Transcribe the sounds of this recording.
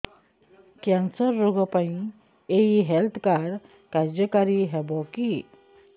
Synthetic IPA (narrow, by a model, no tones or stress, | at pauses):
kãnsəɾːoɡəpaĩ | eiɦɛlt̪ʰkaɾ | kaɾd͡ʒəkaɾiɦɛbɔki